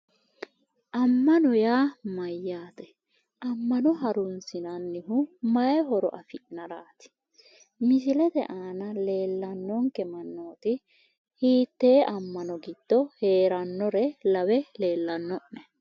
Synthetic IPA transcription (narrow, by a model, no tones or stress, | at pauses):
ʔɐmːɐnɔjaːmɐjːaːt̪ɛ | ʔɐmːɐnɔɦɐɾʊnsɪnɐnːɪɦʊmɐjɛɦɔɾɔ̰ʔɐfɪʔnɐɾaːt̪ɪ̥ | mɪsɪlɛd̪ɛʔaːnɐle̞ːlːɐnːɔŋkɛmɐnːoːt̪ɪ | hiːt̪ːe̞ːʔɐmːɐnɔɡɪd̪̥ːɔhe̞ːɾɐnːɔɾɛlɐwɛle̞ːlːɐnːɔʔnɛ